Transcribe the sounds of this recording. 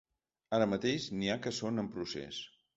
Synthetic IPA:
aɾəmət̪eʃniakəsonəmpɾusḛs

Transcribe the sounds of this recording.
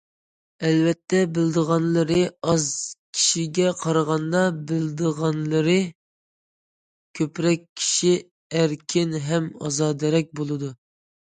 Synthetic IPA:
ɛlvɛt̪ʰːɛbɪld̪əʁɑnlˠɨɾɨɑzkʲʰi̥ʃiɡʲɛqʰɑɾəʁɑnd̪ɑbɪld̪əʁɑnlˠɨɾɨ | kʲʰøpɾɛk̚ʲʰːi̥ʃi | æɾkʲʰɪnɦɛmɑ̰zɑːd̪ɛɾɛk̚ʲbolˠɨd̪u

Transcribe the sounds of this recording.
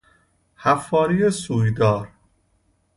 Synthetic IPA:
hæfːɒːɾijesuːjd̪ɒːɾ

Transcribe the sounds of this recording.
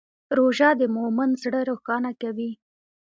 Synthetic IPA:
ɾoʒɑd̪əmomənzɽəɾoxɑnakawi

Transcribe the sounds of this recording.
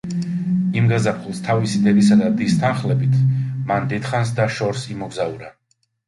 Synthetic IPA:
imɡazapʰχulˠst̪ʰavisid̪ɛd̪isad̪ad̪ist̪ʰanχlɛbit̪ʰmand̪ɛt̪χans̬d̪aʃɔɾsimɔɡzauɾa

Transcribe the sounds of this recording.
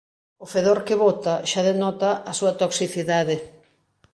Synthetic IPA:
ʊfeðoɾkɪβot̪ɐʃaðenɔt̪ɐʔɐsuɐt̪oksiθiðaðɪ

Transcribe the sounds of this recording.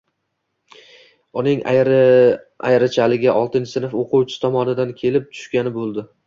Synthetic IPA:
ʊnɪŋ | a̰jɾat͡ʃʰalɪɡʲaʔɒlˠt̪ɪnt͡ʃʰɪsɪnɪfoqʰʊwt͡ʃʰɪ̥t̪ʰɒmɒnɪd̪ankʲʰe̞lɪp̚t̪ʰʊ̥ʃkʲanɪbolˠd̪ɪ

